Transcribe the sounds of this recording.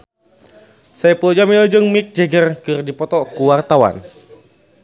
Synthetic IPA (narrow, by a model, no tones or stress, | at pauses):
sajpuɔd͡ʒamilɔd͡ʒɨŋmik̚d͡ʒɛɡərkɨrdipɔt̪ɔkuwart̪awa̰n